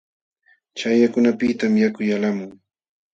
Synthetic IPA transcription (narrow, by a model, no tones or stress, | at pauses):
t͡ʃajakʊnapɪt̪amjakʊjalamʊŋ